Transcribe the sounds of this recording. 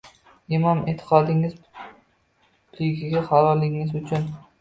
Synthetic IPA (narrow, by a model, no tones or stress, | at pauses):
ɪmɒmɪ̰t̪ʰɪ̥qʰɒd̪ɪŋɪz | lɪɡʲɪɡʲaχɑɾɒɾlɪɪŋɪzʊt͡ʃʰʊn